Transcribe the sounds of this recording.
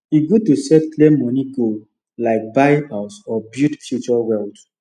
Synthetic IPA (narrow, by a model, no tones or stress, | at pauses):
iɡotusɛtklemɔniɡo | laɪk̚bajhaʊsɔbjutfjut͡ʃɔwɛld